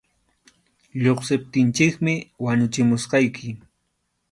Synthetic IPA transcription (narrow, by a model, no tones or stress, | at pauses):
ʎoχsɪp̚t̪ɪnt͡ʃɪkmɪwaɲʊt͡ʃɪmʊsqɑjkʰɪ